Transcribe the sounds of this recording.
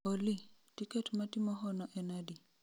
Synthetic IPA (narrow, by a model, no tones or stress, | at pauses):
olitikɛtmatimɔɦɔnɔʔɛnadi